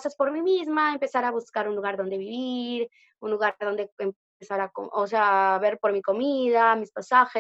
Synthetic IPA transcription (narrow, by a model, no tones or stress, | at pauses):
saspo̞ɾmimizmaempe̞saɾaβuskaɾunluɣaɾðo̞nd̪e̞βiβiɾ | unluɣaðo̞nd̪e̞em | esaɾako̰os̬eaβe̞ɾpo̞ɾmiko̞miðamispasaxe